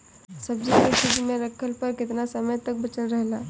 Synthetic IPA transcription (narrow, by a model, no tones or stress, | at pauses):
sɐbd͡ʒeset͡ʃɪd͡ʒmẽɾɐkʰəlpɐɾkɪt̪nasɐməjt̪ɐk̚bɐt͡ʃəlɾəɦlaː